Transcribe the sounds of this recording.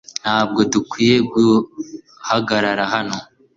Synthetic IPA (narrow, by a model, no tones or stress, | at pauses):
n̥haːb̚ɡo̞dukwiːje̞ɡu | haɡaɾaɾaɦano